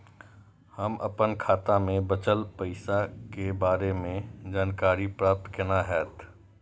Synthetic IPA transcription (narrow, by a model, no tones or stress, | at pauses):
həmʔɐ̰pənkʰaːt̪amẽbət͡ʃəlpəɪsakebaːɾemẽd͡ʒaːnkaːɾipɾaːp̚t̪kɪnaɦɛːt̪